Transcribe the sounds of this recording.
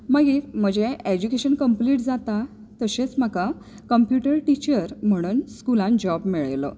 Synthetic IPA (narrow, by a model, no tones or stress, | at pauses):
məɡim̤əd͡ʑeed͡ʑukeɕənkəmpliʈd͡zat̪a | t̪əɕet͡sm̤aka | kəmpjuʈəɾʈit͡ɕəɾm̤əɽ̃uːnskulãnd͡ʑɔbmiɭjlə̰